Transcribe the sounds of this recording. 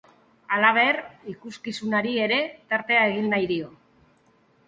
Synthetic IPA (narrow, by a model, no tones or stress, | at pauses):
alaβ̞e̞rikuskisunaɾie̞ɾe̞t̪aɾt̪e̞ae̞ɣ̞inːajðio̞